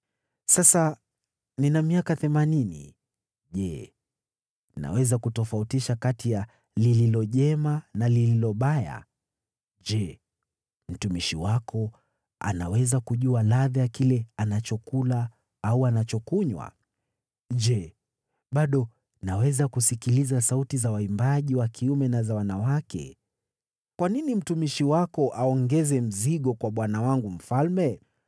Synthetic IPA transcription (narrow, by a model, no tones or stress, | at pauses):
sasa | ninamiakaθɛmaninḭ | ʄɛ | na̰wɛzakutɔfautiʃakatija | lililɔʄɛmanalililɔɓaja̰ | ʄɛ | m̩tumiʃiwakɔ | a̰na̰wɛzakuʄualaðijakilɛanat͡ʃɔkula | auanat͡ʃɔkuɲwa̰ | ʄɛ | ɓaɗɔ | nawɛzakusikilizasautizawaimbaʄiwakʰiumɛnazawanawakɛ̰ | kwaninim̩tumiʃiwakɔʔaɔŋɡɛzɛm̩ziɠɔkwaɓwanawaŋɡum̩falmɛ